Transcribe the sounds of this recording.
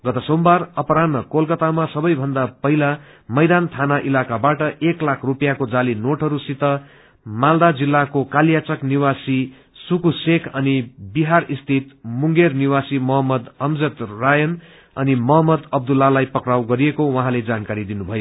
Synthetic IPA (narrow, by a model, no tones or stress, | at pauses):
ɡʌt̪ʌsombarʌpʌɾanʌkolkʌt̪amasʌbʌjbʱʌnd̪apʌɦila | mʌjd̪ant̪ʰanaʔilakabaʈʌʔeklakʰrupjakod͡zalinoʈɦʌɾusit̪ʌ | mald̪ad͡zilːakokaljat͡sʌkniwasi | sukusekʰʌnibiɦarist̪ʰit̪muŋɡerniwasimʌɦʌmːʌd̪ʌmd͡zʌt̪rajʌn | ʌnimʌɦʌmːʌd̪ʌb̚d̪ulːalajpʌkɾawɡʌɾijekowʌ̃ɦãled͡zankaɾid̪inubʱʌjo